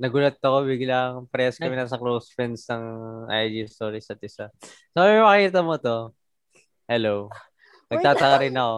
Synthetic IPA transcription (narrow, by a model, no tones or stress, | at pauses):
nɐɡʊlɐt̪̚ːɐko̞biɡɪlaŋpɾɛskɐmɪnɐsɐklosfɛnsnɐŋʔa̰jd͡ʒist̪oːɾisɐt̪ɪsɐ | soɐmɐmɐkkiːt̪ɐmot̪o̞ | hɛlow | nɐɡ̚t̪aːt̪ɐkɐɾɪnɐko